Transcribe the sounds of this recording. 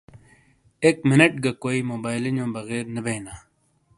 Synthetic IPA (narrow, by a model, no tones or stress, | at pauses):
eːkmɪnəʈɡɐkoːiːmoːbaːjlɪɲõːbɐɣeːɾnəbeːnaː